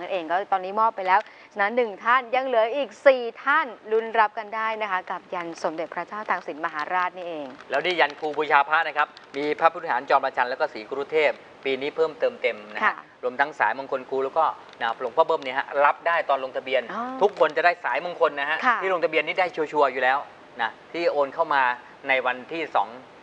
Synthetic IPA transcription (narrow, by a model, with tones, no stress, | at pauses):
a˧nʔeː˧ŋkɔː˥˩t̪ɔː˧nːiː˦˥mɔː˥˩pːa˧jlɛː˦˥w | t͡ɕʰa˧na˦˧˥nːɯ˨˩ŋt̪ʰa˥˩nja˧ŋlɯː˨˩˦jʔiː˨˩k̚siː˨˩t̪ʰa˥˩nlu˦˧˥nɾa˦˥p̚ka˧ndaː˥˩jna˦˥kʰa˦˥ka˨˩p̚ja˧nso˩˦mde˨˩t̪̚pʰɾa˦˥t͡ɕaː˥˩wt̪aː˧ŋsi˨˩˦nma˧ɦaː˩˦ɾaː˥˩t̪̚niː˥˩ʔeː˧ŋlɛː˦˥wniː˥˩ja˧nkʰuː˧pʰu˧t͡ɕʰaː˧pʰaː˥˩t̪̚na˦˥kʰa˦˥p̚miː˧pʰa˦˥p̪ʰːhaː˩˦nt͡ɕɔː˧npa˧t͡ɕʰa˧nlɛ˦˥wkɔː˥˩siː˩˦kʰu˧˦ɾuː˥˩t̪ʰeː˥˩p̚ːiː˧niː˦˥pʰɤː˥˩mt̪ɤː˧mt̪e˧mna˦˥a˦˥˩ | ɾu˧əmt̪ʰa˦˥ŋsa̰ː˩˦jmo˧nkʰo˧nkʰuː˧lɛː˦˥wkɔː˥˩ | na˧˦lo˧ŋpʰɔː˥˩pʰɤː˥˩mni˥ɐɦa̰˦˥ɾa˦˥p̚daː˥˩jt̪ɔː˧nlo˧ŋt̪ʰa˧bi˧ənː˧t̪ʰu˦˥kʰːo˧nt͡ɕa˨˩daː˥˩jsaː˨˩˦jmo˧ŋkʰo˧nːa˦˥ɦa˦˥ʔkʰtʰiː˥˩lo˧ŋt̪ʰa˧bi˧ənːiː˥˩daː˥˩jt͡ɕʰu˧t͡ɕʰu˧ɐjuː˨˩lɛː˦˥w | na˦˥t̪ʰiː˥˩ʔoː˧nkʰa˥˩wmaː˧ | na˧jwa˧nt̪ʰiː˥˩sɔ̰ː˩˦ŋ